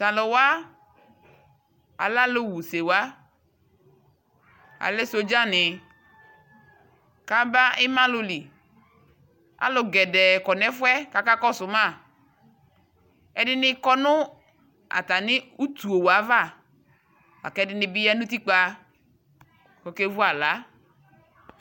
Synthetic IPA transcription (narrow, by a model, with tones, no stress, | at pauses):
sa˨lo˨wa˦ | a̰˨la˦lo˦wu˨se˨wa˦ | a̰˨le˦so˨d͡ʒa˦nɪ˨ | ka˦ba˦ɪ˦mã˦lʊ˨li˨ | a̰˦lʊ˨ɡɛ˨dɛ˨kɔ˨nɛ˦fwɛ˦ka˦ka˦kɔ˦sʊ˨mã˦˨ | ɛ˨dɪ˦nɪ˦kɔ˦nʊ˦ | a̰˨t̪a˨nɪ˦u˦tu˨o˨wa˨˦va˦˨ | wa̰˨kɛ˦dɪ˦nɪ˧bi˦ja˦nũ˦t̪̬i˦k͡pa˦ | kɔ˨ke˦vu˦a˨la˨˦